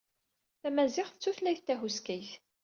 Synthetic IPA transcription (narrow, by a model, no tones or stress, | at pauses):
θæmæzɪχθət͡sːuθlæjθt̪ːæɦuskæjθ